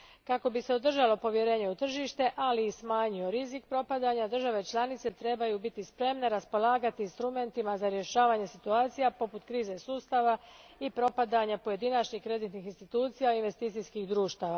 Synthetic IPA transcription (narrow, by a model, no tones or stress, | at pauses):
kako̞bise̞o̞d̪r̩ʒalo̞po̞ʋjeɾe̞ːɲe̞ut̪r̩ʒiʃt̪e̞ʔaliːsmaːɲio̞ɾizikpɾo̞pad̪aɲad̪r̩ʒaʋe̞t͡ʃlˠanit̪se̞t̪ɾe̞bajubit̪ispɾe̞mne̞ɾaspo̞laːɡat̪iinst̪ɾume̞nt̪imazaɾje̞ʃaːʋaɲe̞sit̪uaːt̪sijapo̞put̪kɾiːze̞suːst̪aʋaipɾo̞pad̪aɲapoje̞d̪inat͡ʃɲikɾe̞d̪it̪nixinst̪it̪uːt̪sijainʋe̞st̪iːt̪siskixd̪ɾuːʃt̪aʋa